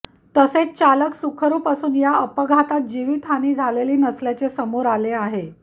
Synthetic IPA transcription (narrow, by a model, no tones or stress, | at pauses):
t̪əset͡st͡ɕaləksukʰəɾuːpasuːnjaəpəɡʱat̪at̪̚d͡ʑiʋiːt̪ʰaniːd͡zʱaleliːnəsljat͡sesəmoɾaleaɦe